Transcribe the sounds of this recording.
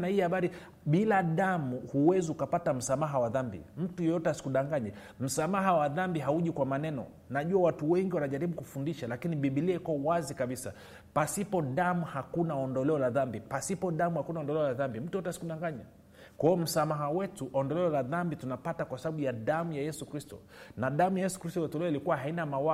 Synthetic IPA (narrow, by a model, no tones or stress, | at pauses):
nahiːhaɓaɾi | ɓilaɗamuhuwɛziukapatam̩samaɦawaðambḭm̩tujɛjɔtɛasi̥kuɗaŋɡaɲɛ | m̩samaɦawaðambiɦauʄikwamanɛnɔ̰ | naʄuawatuwɛŋɡiwanaʄaɾiɓukufundiʃalakiniɓiɓiliɛkɔwazikaɓisa̰ | pasipɔɗamuhakunaɔndɔlɛɔlaðambipasipɔɗamuhakunaɔndɔlɛɔlaðambim̩tujɔtɛasi̥kuɗaŋɡaɲa | kwaɔm̩samaɦawɛtuʔɔndɔlɛɔlaðambitunapatakwasaɓaɓujaðamujajɛsukɾistɔ̰ | naɗamujajɛsu̥kɾistɔɛtɔlɛɔilikuwaɦainamawa